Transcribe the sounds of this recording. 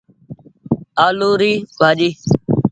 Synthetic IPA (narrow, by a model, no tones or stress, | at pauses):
aːluːɾiːbʱaːd͡ʒiː